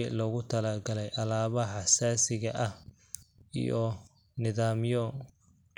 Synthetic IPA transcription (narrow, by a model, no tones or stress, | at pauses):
lɔɣʊt̪ʰɐlaːɡɐlɛjʔɐlaːβɐħɑsaːsɪɣɐʔɐh | ḭjɔ | nɪðaːmjɔ